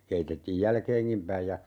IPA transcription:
keitetːiːj jælkeːŋkim pæij jɑ

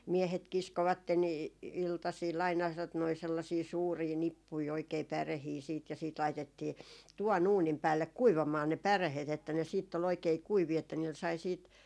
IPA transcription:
miehet kiskoʋɑtːen i iltɑsiːl ɑinɑ tot noi selːɑsiː suːriː nipːui oikei pærehiː siːt jɑ siːt lɑitetːiː tuʋɑn uːnim pæːlːek kuiʋɑmɑː ne pærehet etːæ ne siːtː ol oikei kuiʋiː etːæ niːl sɑi siːt

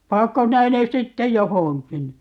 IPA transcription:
pɑːkːo sinæ ne sitːe johoŋkin

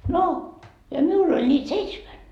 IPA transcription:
no jɑ miul olʲ nʲiːt seitsmæn

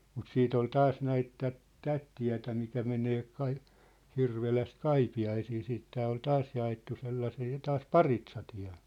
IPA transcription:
mut siːt ol tɑːs næit tæt tæt tiæ̝tæ mikæ meneː kɑi hirʋelæst kɑipiɑisiː siːt tæː ol tɑːs jɑetːu selːɑsiː tɑːs pɑritsɑtiæ̝

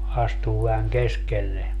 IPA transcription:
ɑstuː ʋæhæŋ keskelːe

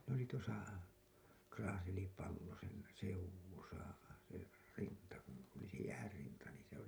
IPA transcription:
ne oli tuosɑ krɑːselipɑlːoseˑn seuwˑusɑ se rintɑ kun oli se jæːrːintɑ niːn̞ se oli

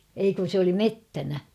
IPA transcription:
ei kun̞ sĕ oli metːænæ

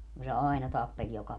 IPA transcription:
ku se ɑi̯nɑ tɑpːelʲ jokɑ

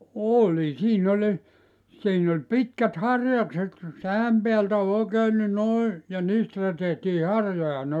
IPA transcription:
oˑlʲi siːn olʲ siːn olʲ pitkæt hɑrjɑkset sææm peæltæ ol oˑekeːn ni noi jɑ niːstæ tehtiː hɑrjojɑ ne

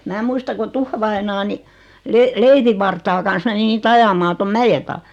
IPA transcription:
mæː muistɑ ko tufːɑʋɑinɑː ni leleiʋiʋːɑrtɑː kɑn̞s meni niːt ɑjɑmɑː tom mæje tɑː

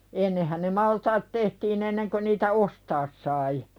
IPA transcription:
enːehæn̆ ne mɑltɑːt tehtiːn enːeŋkø niːtæ ostɑːs sɑi

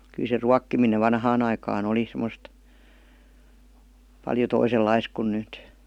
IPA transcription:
kyl se ruɑkːimineʋ ʋɑnhɑːn ɑikɑːn oli semˑə̆st pɑljo toiselːɑis kun nyt

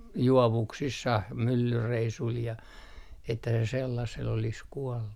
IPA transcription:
juoʋuksisːɑh mylːyreisul jɑ etːæ se selːɑsel olis kuɔlːu

